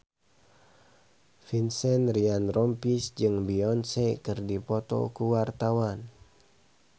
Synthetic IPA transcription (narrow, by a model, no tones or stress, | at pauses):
finsɛnrianrɔmpisd͡ʒɨŋbiɔnsɛkɨrdipɔt̪ɔ̰kuwart̪awan